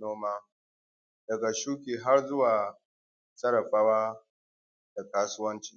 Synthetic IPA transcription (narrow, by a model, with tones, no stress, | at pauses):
noː˦maː˦ | dɐ˨ɡa˨ʃuː˦kʲiː˨ɦa˦rzʊ˦waː˨ | sɐ˦ɽɐ˨ɸaː˦waː˦ | d̥a˨kaː˦sʊ˦wɐ˦nt͡ʃi̥ː˨